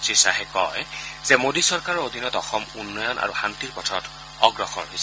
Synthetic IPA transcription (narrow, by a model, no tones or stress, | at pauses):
sisaɦɛkɔ̰jzɛmodisɔɹkaɹɔɹod̪ʱinɔtɔxɔmunːɔjɔnʔa̰ɹuxant̪iɹpɔtʰɔt | ɔɡɹɔxɔ̰ɹɦojsɛ